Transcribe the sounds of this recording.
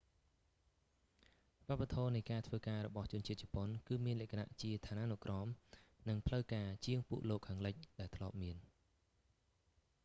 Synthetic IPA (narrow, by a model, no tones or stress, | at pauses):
ʋŏəp̚ːat̪ʰɔːnɨjkaːt̪ʰʋəːkaːɾɔ̰ɓɑht͡ɕʊ̆ənt͡ɕiət̪̚t͡ɕɑponkɨːmiənlɛ̆əkʰana̰ʔt͡ɕiət̪ʰaːnaːnuʔkrɑːmnɨŋpʰləwkaːt͡ɕiəŋpuəʔloːkʰːaːŋləc̚ɗaɛlt̪ʰlŏəp̚miən